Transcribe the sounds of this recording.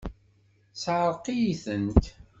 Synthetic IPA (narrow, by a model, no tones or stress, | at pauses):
sʕəɾˤqijiθənt̪